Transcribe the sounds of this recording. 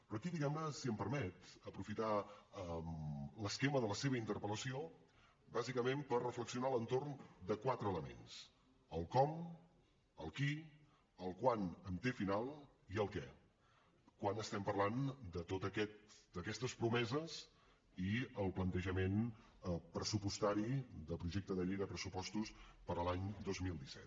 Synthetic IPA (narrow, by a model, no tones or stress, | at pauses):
pɾɔəkiðiɣɛmnəsiəmpəɾmɛt̪əpɾufit̪aəmləskeməðələseβəint̪əɾpələsio | bazikəmempərrːəfləksiunalənt̪ornd̪əkwat̪ɾəːləmḛns | əlˠkɔm | əlˠki | əlˠkwanəmt̪efinalˠ | iəlˠkɛ | kwanəst̪ɛmpərland̪ət̪ot̪əkɛt̪d̪əkɛst̪əspɾumɛzəs | iəlˠplənt̪əʒəmen | pɾəsupust̪aɾid̪əpɾuʒɛk̚t̪əðəʎejðəpɾəsupɔst̪uspəɾəlaɲd̪ozmilˠd̪isɛ̰t̪